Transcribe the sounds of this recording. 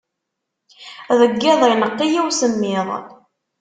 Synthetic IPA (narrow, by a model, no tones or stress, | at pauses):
ðəɡːæðˤənəqːijiwsəmːɪðˤ